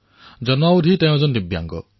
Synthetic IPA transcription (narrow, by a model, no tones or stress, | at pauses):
d͡ʒɔnawd̪ʱit̪ẽd͡ʒɔnd̪ibja̰ŋɡɔ̰